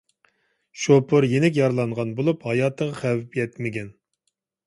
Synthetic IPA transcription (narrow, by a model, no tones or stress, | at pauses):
ʃopʰʊɾjenɪk̬ʲjɑɾlˠɑɴʁɑnbolˠuphɑjɑːt̪ʰəʁɑχævpjɛt̪mɪɡʲɛn